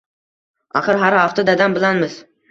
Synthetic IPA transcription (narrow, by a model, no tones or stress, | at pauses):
a̰χɨɾɦaɾhaft̪ad̪ad̪ambɪlanmɪz̥